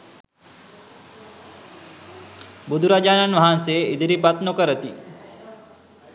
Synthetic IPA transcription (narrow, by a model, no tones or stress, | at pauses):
bud̪ʱuɾad͡ʒaːnanʋaɦanseːid̪ʱiɾipat̪nokəɾət̪i